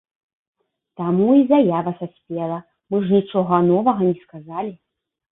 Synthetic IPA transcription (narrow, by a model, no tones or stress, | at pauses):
t̪amuizajavɐsasʲpʲelˠɐ | mɨʐnʲit͡ʂɔɣɐnɔvɐɣɐnʲɛskazalʲi